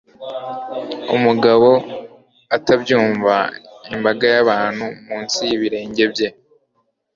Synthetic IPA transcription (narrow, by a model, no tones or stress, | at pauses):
ṵmuɡaβo̞ | atabɟuːɱvaimbaɡajaβaːn̥humuːnsijiβiɾe̞ːɲɟe̞bje̞